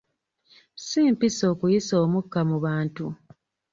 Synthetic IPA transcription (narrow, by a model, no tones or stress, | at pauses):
siːmpiso̞ːkujiso̞ːmukːamuβaːntu